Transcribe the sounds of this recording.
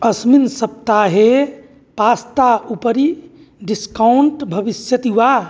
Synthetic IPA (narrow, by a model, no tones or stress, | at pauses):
əsminsəp̚t̪aɦe | past̪aupəɾi | ɖiskawɳʈbʱəbisjət̪iwa